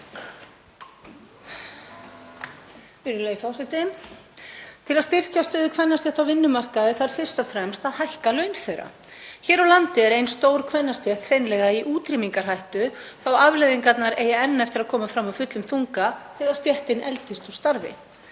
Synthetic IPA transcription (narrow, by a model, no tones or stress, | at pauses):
fɪɾɪleːjfawsɪt̪ɪn | t̪ʰɪlaðst̪ɪr̥cast̪œːðʏkʰvanːast̪ɛht̪awvɪnːʏmar̥kaðɪθaɾ̥fɪr̥st̪ɔfɾɛmst̪aðhajhkalœːɥnθejɾa̰ | çɛːɾawlant̪ɪɛɾejnst̪oːwɾkʰvɛnːast̪jɛht̪fejnlɛɣaiʔuːt̪ɾimiŋkar̥ɦajht̪ʏθawavlɛjðiŋkat̪naɾeːjaɛnːɛft̪ɪɾaðkʰɔːmafɾamawfʏt̪lʏmθuŋkaθɛːɣaðst̪jɛht̪ɪnɛlt̪ɪst̪u̥st̪aɾvɪ̰